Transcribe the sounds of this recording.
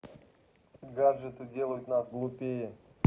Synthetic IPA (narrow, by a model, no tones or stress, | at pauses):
ɡarʐɛt̪ədʲelˠəjɪt̪nasɡlˠupʲejə